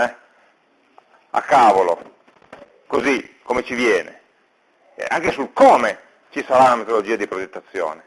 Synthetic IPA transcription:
ɛ | a̰kːaːvolo̰ | kozikːomet͡ʃivjɛːnḛ | a̰ŋkesulkɔːme | t͡ʃisaɾaunamet̪olod͡ʒiːad̪ipɾod͡ʒet̪ːat̪sːjɔ̰ːne

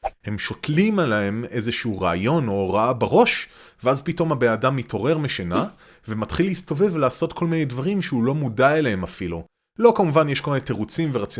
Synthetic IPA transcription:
he̞mʃo̞tlimaleeme̞zeʃuuʁaajo̞no̞ʁaabaʁo̞ʃveazpito̞mabeadamːitʰo̞ʁe̞ʁmeʃena | ve̞matχilhisto̞ve̞vlaːso̞tkʰo̞lminejdvaʁimʃeulo̞mudaeleɦemafilu | lo̞kamuvanjeʃkolmineteʁut͡simveʁat͡s

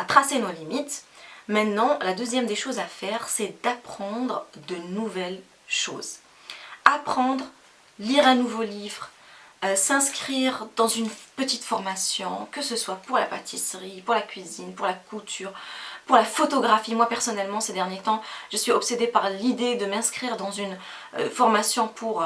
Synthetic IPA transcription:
at̪χasenolimit̪mɛ̃t̪nɑ̃lad̪øzjɛmd̪eʃozafɛʁsɛd̪apχɑ̃d̪ʁd̪ənuvɛl | ʃo̰ːz | apχɑ̃d̪ʁ | liʁɛ̃nuvolivʁøsɛ̃skχiʁd̪ɑ̃zynpət̪it̪fɔʁmasjɔ̃kəsəswapuʁla̰pat̪ʰisʁipuʁlakʲɥizinpuʁlakut̪ʰyːʁpuʁlafɔt̪ɔɡʁafimwapɛʁsɔnɛlmɑ̃sed̪ɛʁnjet̪ɑ̃ʒ̥əsɥiɔpsed̪epaʁlid̪ed̪əmɛ̃skχiʁd̪ɑ̃zyn | ø̰fɔʁmasjɔ̃pʰuʁ

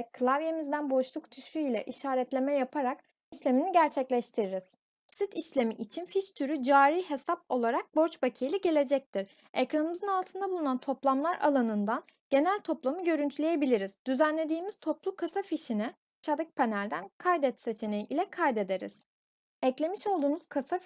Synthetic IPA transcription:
kʰɯlˠavje̞mizd̪ænbo̞ʃlˠukt̪ʰysyilʲɛʔiʃaːɾɛt̪lʲe̞mɛjapʰaɾak | iʃlʲe̞miniɟæɾt͡ʃʰɛclʲɛʃt̪ʰiɾiɾiz̥ | sit̪ʰiʃlʲe̞miʔit͡ʃʰinfiʃt̪ʰyɾyd͡ʒaːɾiːɦe̞sap̚o̞lˠaɾak̚bo̞ɾt͡ʃbacʰijlʲɛɟe̞lʲe̞d͡ʒɛc̚t̪ʰiɾ | ɛkɾanɯmɯzɯnalˠt̪ʰɯnd̪abulˠunant̪ʰo̞plˠamlˠaɾa̰lˠanɯnd̪an | ɟ̥e̞nælʲt̪ʰo̞plˠamɯɟø̞ɾynt̪ʰylʲeje̞bilʲiɾiz̥d̪yzænlʲe̞d̪iːmiz̥t̪ʰo̞plˠukʰasafiʃinɛ | t͡ʃʰad̪ɯk̚pʰenælʲd̪ænkʰajd̪ɛt̪se̞t͡ʃʰe̞ne̞jiʔilʲɛkʰajd̪e̞d̪e̞ɾḭz̥ | ɛclʲe̞miʃo̞lˠd̪uːmuz̥kʰasa

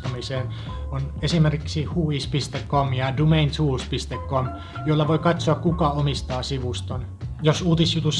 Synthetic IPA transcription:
t̪ɑmiseːn | onesimerkiksihuːispist̪ekkomjɑdumeint̪huːspist̪ekːom | jolːɑʋoikɑt̪soɑkkukɑomist̪ɑːsiʋust̪on | josuːt̪isjut̪us

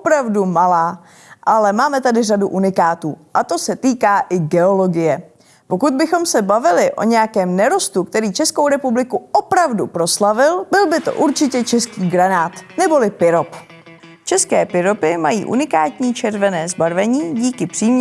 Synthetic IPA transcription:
opɾavdumalaː | ʔalɛmaːmɛt̪adɪraduʔunɪkaːt̪uːʔat̪o̞sɛt̪iːkaːʔɪɡɛo̞lo̞ɡɪjɛ | po̞kud̪̚bɪxo̞msɛbavɪlɪʔo̞̰ɲɛjakɛːmnɛɾo̞st̪ukt̪ɛɾiːt͡ʃɛskowɾɛpublɪkuʔo̞pɾavdupɾo̞slavɪlbɪlbɪt̪o̞̰ʔuɾt͡ʃɪcɛt͡ʃɛskiːɡɾanaːt̪nɛbo̞lɪpɪɾo̞p | t͡ʃɛskɛːpɪɾo̞pɪmajḭːʔṵnɪkaːt̪ɲiːt͡ʃɛɾvɛnɛːzbaɾvɛɲiːɟiːkɪpr̥iːmɲ

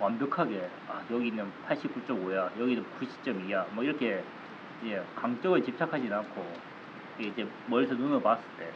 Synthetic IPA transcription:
wambjʌkʰaɡe̞ | ajʌɡinːɯnpʰaɭɕ͈ip̚k͈ut͡ɕ͈ʌɡojajʌɡinɯnkuɕʰi̥t͡ɕ͈ʌmijamwʌiɾʌkʰe̞ | id͡ʑe̞kaŋt͡ɕ͈ʌɡɯɭt͡ɕip̚t͡ɕʰakʰad͡ʑinankʰo | id͡ʑe̞ | mʌɭsʰʌnunɯɭpas͈ɯɭt͈e̞

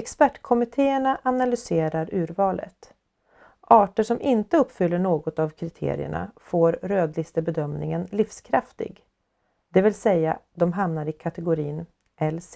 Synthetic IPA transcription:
ɛkspæʈːkʰɔmɪt̪ʰeːəɳaʔanalʏseːɾaɾʉ̟ːɾvɑːlʔə̰t̪ | ʔɑːʈəʂɔmʔɪnt̪əɵpːfʏlːəɳoːɡɔt̪avkʰɾɪt̪ʰḛːɾɪ̰ə̰ɳa̰foːɾɾøːd̪lɪst̪əbɛd̪œmnɪŋənlɪfskʰɾaft̪ɪ̰ɡ | d̪̥ɛvɪlsɛjːa̰d̪ɔmɦamnaɾɪkʰat̪ɛɡʊɾiːn | ɛlːs

